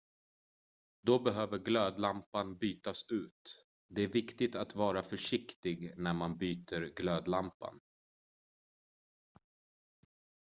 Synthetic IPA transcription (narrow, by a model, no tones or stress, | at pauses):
d̪ɔbɛɦøːvəɾɡløːd̪lampanbyːt̪asʉ̟ːt̪ | d̪ɛæɾvɪkt̪ɪt̪at̪vɑːɾafœʂɪkt̪ɪɡnæɾmanbyːt̪ʰəɾɡløːd̪lampa̰n